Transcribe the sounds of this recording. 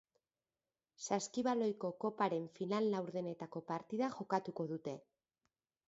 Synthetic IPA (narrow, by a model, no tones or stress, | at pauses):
saskiβalo̞jko̞ko̞paɾe̞ɱfinalːawɾðe̞ne̞t̪ako̞paɾt̪iðaʝo̞kat̪uko̞ðut̪e̞